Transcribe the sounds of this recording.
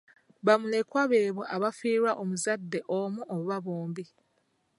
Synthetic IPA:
βamule̞kwaβe̞ːβoʔaβafiːɾwaʔomuzadːe̞ʔomuʔoβuβaβoːmbi

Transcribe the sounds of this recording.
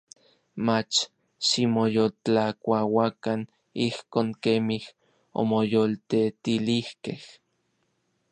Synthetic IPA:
mat͡ʃ | ʃimojolt͡ɬakʷawakan | ihkoːŋkemih | o̰mojolt̪et̪ilihkeh

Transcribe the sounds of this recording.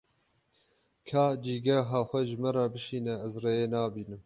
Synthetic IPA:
kʰɑːd͡ʒiːɡɛɦɑːxʷɛʒɨmɛɾɑːbɨʃiːnɛɛzrejeːnɑːbiːnɨm

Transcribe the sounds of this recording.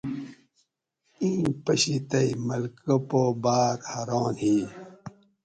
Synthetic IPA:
ĩːpɐɕit̪ɐimɐlkopoːbaːk̪hɐɾoːnhi

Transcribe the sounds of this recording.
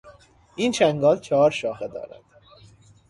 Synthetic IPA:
ʔiːnt͡ʃʰæŋɡɒːlt͡ʃʰɒɦɒːɾʃɒːxed̪ɒ̰ːɾæ̰d̪̥

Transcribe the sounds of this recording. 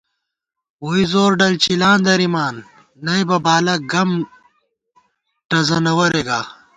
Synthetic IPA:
woizoːɾɖɐlt͡ɕilaːnd̪ɐɾimaːnː | ɐjbɐbaːlɐɡɐm | ʈɐzɐnɐwɐɾeɡaː

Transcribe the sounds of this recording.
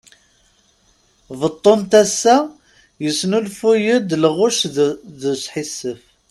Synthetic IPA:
vət̪ˤːont̪æsːæ | jəsnulfujəd̪lʁʊʃðəsħisːəf

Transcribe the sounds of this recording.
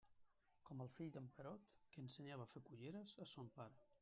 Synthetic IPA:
kɔməlˠfiʎd̪əmpəɾɔt̪kəːnsəɲaβəfekuʎeɾəzəsompaɾ

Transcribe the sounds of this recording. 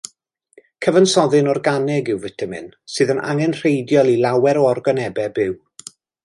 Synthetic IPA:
kʰəvənsɔðɨnɔrɡanɛɡɪwvətʰəmɨ̰nsɨːðənʔa̰ŋɛnr̥ejdjɔlˠilˠawɛɾɔɔrɡɔnɛbɛbɪw

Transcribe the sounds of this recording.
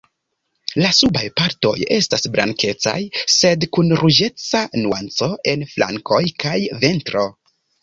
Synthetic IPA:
lasubajpaɾto̞̰je̞stasbɾa̰ŋkʰe̞t͡sa̰jse̞dkunɾud͡ʒe̞t͡sanuant͡so̞ʔe̞nflʔa̰ŋkʰo̞jkajve̞ntɾo̞

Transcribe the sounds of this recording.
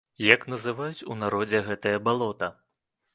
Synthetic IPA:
jɐknɐzɨvajut͡sʲunaɾɔd͡zʲɛɣɛt̪ɐjɐbalˠɔt̪ɐ

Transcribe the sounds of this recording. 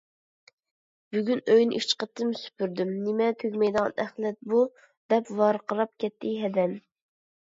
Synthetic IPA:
b̥yɡʲynøjnɪ̰ʔit͡ʃqət̪ːɨmsy̥pyɾd̪ymnɪmɛt̪ʰøɡʲmɛjd̪əʁɑ̰nɛχlˠɛt̪̚bu | d̪ɛpwɑɾqəɾɑp̚kʲɛt̪ʰːɪɦɛd̪ɛm

